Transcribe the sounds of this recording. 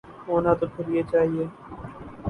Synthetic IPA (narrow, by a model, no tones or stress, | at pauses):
ɦoːnãːt̪oːkʰəɾieːt͡ʃaːɦieː